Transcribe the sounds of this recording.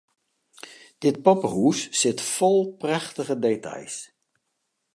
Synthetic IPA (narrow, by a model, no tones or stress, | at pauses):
d̥ɪt̚pɔpəhuːssɪtfɔlˠprɛχtəχədetɑ̰js